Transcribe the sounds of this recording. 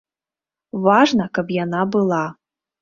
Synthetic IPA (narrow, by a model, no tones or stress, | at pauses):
vaʐnɐkɐpjanabɨlˠa